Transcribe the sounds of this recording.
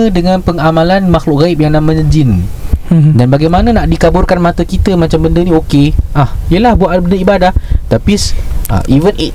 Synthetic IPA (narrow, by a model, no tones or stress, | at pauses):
ədəŋãnpəŋamãlanmaxlʊʔ̚ɡaip̚jaŋnãʔmə̃ɲəd͡ʒin | danbaɡajmanãnaʔdikabʊrkanmãt̪akit̪əmãt͡ʃambəndənĩokeʔahiəlahbuaʔbəndəibadaht̪apisa̰ʔivənʔe